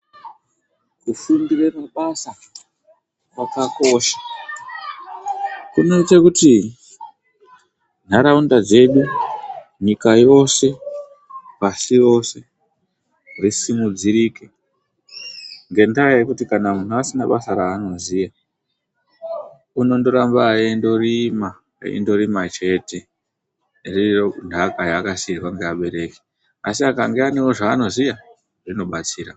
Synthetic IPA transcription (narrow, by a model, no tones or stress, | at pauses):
kufumbire̞maɓasa | wakako̞ʃḁ | kuno̞itekuti | n̤aɾaundad͡ze̞ɗu | ɲikajo̞se̞ | pasiro̞se̞ | risimud͡ziɾike̞ | ŋɡe̞ndajajekutikanamun̤uasinaɓasaɾaːno̞zija | uno̞ndoɾambaendo̞rima̰ː | ḭndo̞ɾimat͡ʃe̞te̞ | riondakajaːkasirwaŋɡeaɓe̞ɾe̞ke̥ | asiakaŋɡeane̞wo̞ʐaːno̞zija | rino̞ɓat͡siːra